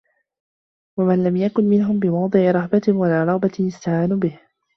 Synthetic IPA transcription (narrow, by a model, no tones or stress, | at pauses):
wamanlamjakʊnmɪnɦʊmbɪmɑwd̪ˤɨʕɪɾˤɑħbawalaɾˤɑɣbaɪjɪst̪aʕaːnuːbɪh